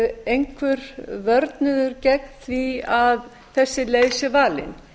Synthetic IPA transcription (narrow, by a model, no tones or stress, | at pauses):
ejŋkʰvʏɾvœɾt̪nʏðʏɾcɛknθviað | θɛsːɪlejsʏvaːlɪ̰n